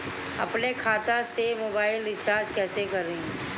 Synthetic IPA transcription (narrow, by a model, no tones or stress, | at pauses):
ɐ̰pnekʰaːt̪asemoːbaːɪlɪt̪t͡ʃaːɾd͡ʒkɛːsekɐɾːẽĩ